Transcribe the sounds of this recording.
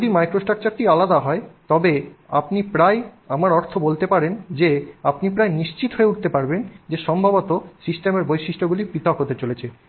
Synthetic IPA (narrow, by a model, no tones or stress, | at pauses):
od̪imajkɾosʈak̚t͡ɕaɾʈialad̪aɦɔet̪ɔbea̰pnipɾajamaɾɔɾt̪ʰobolt̪epaɾend͡ʑeapnipɾajniʃt͡ɕit̪ɦoeuʈ̚t̪epaɾbend͡ʑeʃɔmbʱabot̪osisʈemeɾbojʃiʃʈoɡulipit̪ɔkɦot̪et͡ɕolet͡ɕʰe